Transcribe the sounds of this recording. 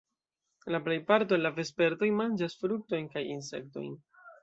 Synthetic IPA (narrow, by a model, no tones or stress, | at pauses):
laple̞jpaɾtolave̞spe̞ɾto̞jmand͡ʒasfɾuk̚to̞jnkajins̬e̞̰k̚to̞̰jn